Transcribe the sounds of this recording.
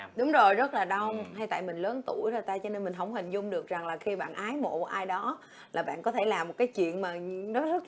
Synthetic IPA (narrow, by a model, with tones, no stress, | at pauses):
ɗʊ˨˦ŋ͡mzo˨˩jzə˦˥t̚laː˨˩ɗə˧wŋ͡mha˧jt̪a̰ː˧˨jmï˨˩ŋ̟ləː˨˦nt̪u˧˩jzɔ˧˩jt̪aː˧jt͡ɕɔ˧ne˧nmï̟˨˩ɦə˧wŋ͡mhï˨˩ŋ̟zʊ˧ŋ͡mɗɨ˨˩ək̚za˨˩ŋlaː˨˩xi˧ɓa̰ː˧˨nʔaː˨˦jmo̰˧˨˩ʔaː˧jɗɔ˨˦ | laː˨˩ɓa̰ː˧˨nkɔ˨˦t̪ʰe˧˩laː˨˩mo˨˩t̚kaː˨˦jt͡ɕwḭ˧˨ənmaː˨˩nɔ˨˦zə˦˥t̚